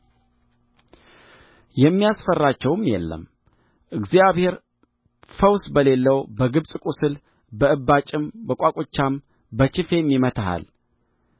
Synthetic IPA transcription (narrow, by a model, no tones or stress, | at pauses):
jɛmːijasfərːat͡ʃːɛwmjɛ̰lːə̰m | ʔɨɡzijaβhe̞ɾ | fəwsbəle̞lːəwbəɡɨβsʼkʼusɨl | bəɨbːat͡ʃʼɪmbəkʷʼakʼot͡ʃːam | bət͡ʃɪfe̞mːimət̪ʰaɦa̰l